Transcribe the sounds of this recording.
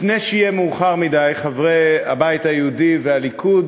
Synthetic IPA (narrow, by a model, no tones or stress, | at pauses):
fnejʃijemuːχaʁmidajχavʁea̰bajitajeudivealikʰud